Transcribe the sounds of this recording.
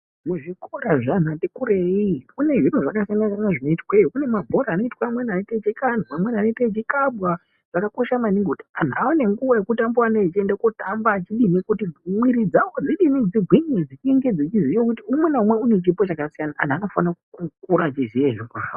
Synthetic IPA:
muʐiko̞ɾaʐanatikuɾeikune̞ʐinuʐakasijanasaanaʐino̞itwekune̞mabʱo̞ɾaːno̞itwaːmwenanetet͡ʃikan̤uamwenanetet͡ʃikabwa | ʐ̥akako̞ʃamaniŋɡutḁan̤aone̞ŋɡuʋajekutambwanat͡ʃendekotambat͡ʃiɗinikutimwiɾid͡zaod͡ziɗinid͡ziɡʱwiɲed͡zit͡ʃieŋɡed͡zit͡ʃizit͡ʃokutiumwenaumweune̞t͡ʃipo̞t͡ʃakasijanaʔa̰n̤ano̞fanakukukuɾat͡ʃizieʐikaa̰o

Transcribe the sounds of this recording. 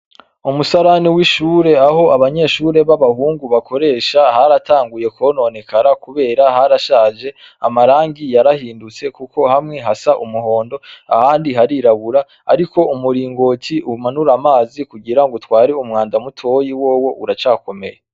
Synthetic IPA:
umusaɾaniwiʃuːɾe̞aɦo̞ʔaβaɲe̞ːʃuːɾe̞βaβahuːŋɡuβako̞ɾe̞ːʃaɦaɾataːŋɡuje̞kono̞nekaɾakuβe̞ːɾaɦaɾaʃaːʒe̞ | a̰maɾaːŋɡijaɾahiːndut͡se̞kuko̞hamŋe̞ɦasaʔumuɦo̞ːndo̞a̰haːndiɦaɾiɾaβuɾa | a̰ɾiko̞umuɾiːŋɡo̞ciʔumanuɾamaːzikuɟiɾaŋɡotwaːɾiumŋaːndamutʰo̞jiwoːwo̞ʔuɾat͡ʃaːko̞me̞̰je

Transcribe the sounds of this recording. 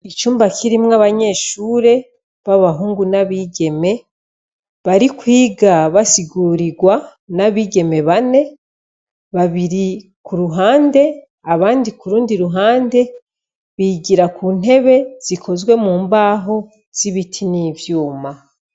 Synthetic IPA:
it͡ʃuːmbakʰiɾimŋaβaɲe̞ːʃuːɾe̞ | βaβaɦuːŋɡunaβiːɡe̞me̞ | βaɾikwiːɡaβasiɡuːɾiɡwa | naβiːɡe̞me̞βane̞ | βaβiɾi | kuɾuɦaːnde̞ | aβaːndikuɾuːndiɾuɦaːnde̞ | βiɡiɾakuːn̥e̞βe̞z̥ikʰo̞zɡwe̞muːmbaːɦo̞ | z̥iβitʰiniːvjuːma

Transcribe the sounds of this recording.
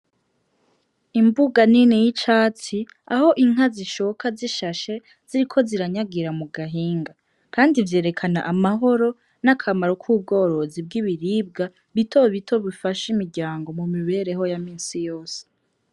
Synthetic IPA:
imbuɡaninejit͡ʃaːt͡si | aho̞ʔiŋ̥ɦaziʃokʰaziʃaʃe̞ | z̥iɾikʰo̞ziɾaɲaɡiɾamuɡaɦiːŋɡa | kʰaːndivje̞ːɾe̞kʰana̰ʔamaɦo̞ɾo̞ | nakʰamaɾokʰuːb̚ɡo̞ːɾo̞zib̚ɡiβiɾiːb̚ɡa | βitʰo̞βitʰo̞βifaʃimiɾɟaːŋɡo̞mumiβe̞ɾe̞ɦo̞jamiːnsijo̞ːse̥

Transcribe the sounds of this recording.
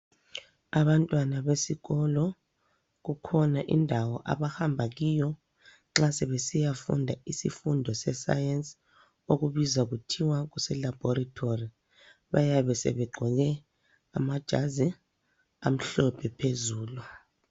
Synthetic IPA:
aβantʼwanaβesiɣɔlɔ | k̬ukʰɔnaʔḭndʱawɔ̰ʔa̰βahambʱaɣ̬iːjɔ | ŋ͡ǁasɛβesijafṵndʱaisifundʱɔsɛsa̰jɛns | oɣuβizaɣ̬utʰiwak̬usɛlab̥ʱɔratʰori | βajaβɛsɛ̰βɛɡ͡ǃʱɔɣ̬ɛ | a̰mad̥ʒ̥ʱazi | a̰m̩ɬɔpʰɛpʰezuːlu

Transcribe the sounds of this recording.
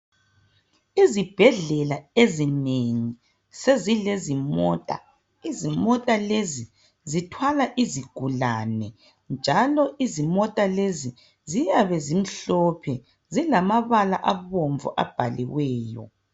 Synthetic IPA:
izib̥ʱɛɮɛlaezineŋi | sezilezimɔːtʼa̰ | izimɔtʼalezi | zitʰwalaʔiziɡ̥ʱulanɛ | nd͡ʒʱalɔʔizimɔtʼalezi | zijaβɛzim̩ɬɔpʰɛ | zilamaβala̰ʔaβoɱvɔ̰ʔa̰b̥ʱalḭwɛːjɔ̰

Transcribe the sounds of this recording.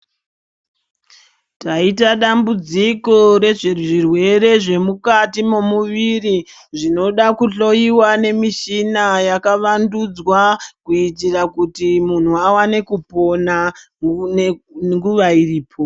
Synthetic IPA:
taitaɗambud͡ziko̞ɾe̞ʐiʐirwe̞ɾe̞ʐe̞mukatimomuʋiri | ʐino̞ɗakuɬo̞jiwane̞miʃinajakaʋandud͡zwakuitirakutimun̤uawane̞kupo̞na | ŋɡuʋairiːpʰo

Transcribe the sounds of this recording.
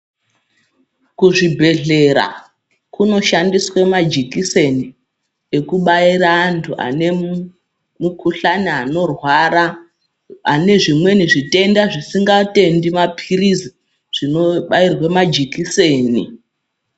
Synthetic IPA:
kuʐibʱe̞ɮe̞ɾa̰ | kuno̞ʃandiswemad͡ʒikise̞ni | ekuɓairaːntʰua̰ne̞ | mukuɬaniano̞rwaɾa | ane̞ʐimwe̞niʐite̞ndaʐisiŋɡate̞ndimapʰirizi | ʐ̥inoɓairwemad͡ʒikise̞ːnḭ

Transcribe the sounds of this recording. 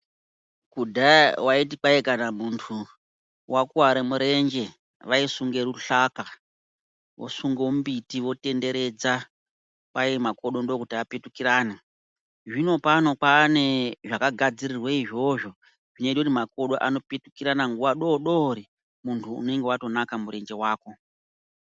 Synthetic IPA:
kudʱawait̬ipaekanamuntʰu | wakuwaɾemuɾe̞nd͡ʒe̞ | ʋaisuŋɡe̞ɾuɬaka | wo̰suŋɡombitiʋo̞te̞nde̞ɾe̞d͡za | pajemako̞ɗo̞ndo̞kutiapetukiɾaːna | ʐino̞pano̞paːne̞ʐakaɡʱad͡ziɾirweiʐo̞ʐo̞ | ʐineɗutimako̞ɗo̞ʔano̞petukiɾanaŋɡuʋaɗo̞ːɗo̞ɾi | muntʰṵːne̞ŋɡe̞wato̞nakamuɾe̞nd͡ʒe̞waːko̞

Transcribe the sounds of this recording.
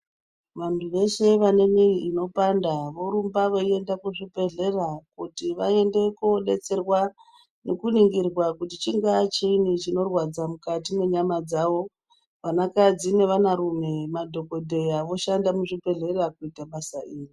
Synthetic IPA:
ʋantʰuʋe̞se̞ʋane̞miiino̞pandaʋo̞ɾumbaʋoie̞ndakuʐipe̞ɮe̞rakutiʋae̞nde̞kuɗe̞t͡se̞rwa | ne̞kuniŋɡirwakutit͡ʃiŋɡat͡ʃinit͡ʃino̞rwad͡zamukatine̞ɲamad͡zaʋo̞ | ʋanakad͡zine̞ʋanaɾume̞madʱo̞ko̞dʱe̞jaʋo̞ʃandamuʐipe̞ɮe̞rakuitaɓasaʔiːri

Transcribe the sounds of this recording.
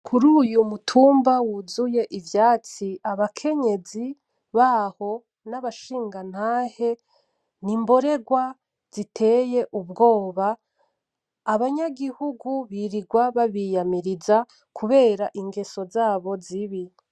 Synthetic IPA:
kʰuɾuːjumutʰuːmbawuzuje̞ʔivjaːt͡siaβakʰe̞ɲe̞zi | βaho̞ | naβaʃiːŋɡan̥haːhe̞ | nimbo̞ɾe̞ɡwa | z̥itʰe̞je̞ʔubɡo̞ːβa | βaɲaɡihuɡuβiɾiɡwaβaβijamiɾiza | kʰuβe̞ːɾaʔiŋɡe̞so̞zaːβo̞ziβi

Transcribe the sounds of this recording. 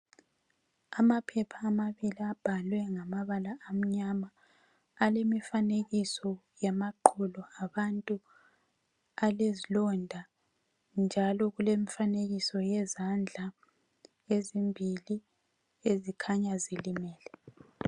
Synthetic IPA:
amapʰɛpʰaːmaβiliab̥ʱalwɛŋamaβalaːm̩ɲamaː | lemifaneɣisɔ | jamaǃʰɔlɔaβantʼu | alezilɔndʱa | nd͡ʒʱalɔɣulemifaneɣisɔjɛzand͡ɮʱa | ezimbʱili | ezikʰaɲazilimɛːlɛ

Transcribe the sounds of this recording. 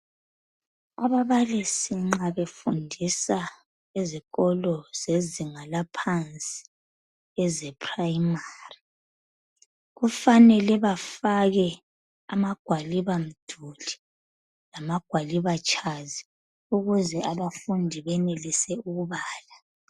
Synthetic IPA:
aβaβalisiŋ͡ǁaβefundʱisa | iziɣɔlɔz̥eziŋalapʰant͡sʼi̥ | ɛzɛpʰʼrajmari | ɣufanɛlɛβafaɣɛ | amaɡ̥ʱwaliβam̩d̥ʱuli | lamaɡ̥ʱwaliβat͡ʃʰʼazi | uɣuzɛaβafundʱiβɛnelisɛuɣuβaːla

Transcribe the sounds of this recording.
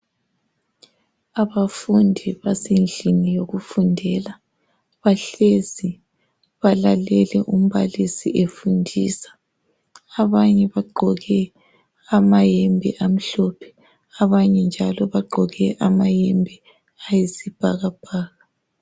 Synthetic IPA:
aβafundʱiβasenɮʱinijoɣufundʱɛla | βaɬezi | βalalɛlɛʔum̩βalisiʔefundʱiːsḁː | βaɲɛβaɡ͡ǃʱɔɣɛ | amajɛmbʱḭʔam̩ɬɔpʰɛ̥ | aβaɲɛnd͡ʒʱalɔβaɡ͡ǃʱɔɣɛʔamajɛmbʱi | ajizib̥ʱaɣab̥ʱaːɣa

